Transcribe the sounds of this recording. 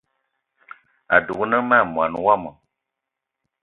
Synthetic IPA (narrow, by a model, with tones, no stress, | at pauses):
a̰˨du˨knə˦ma˦˨mwa˨n˨wa˦˨mɔ˨